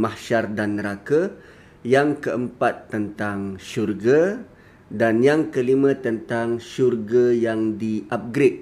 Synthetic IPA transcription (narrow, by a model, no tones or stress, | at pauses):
mahʃardanːəɾaka | jaŋkəʔəmpat̪ːənt̪aŋʃurɡa | danjaŋkəlimə̃t̪ənt̪aŋʃurɡajaŋdiʔap̚ɡɾɪt̪̚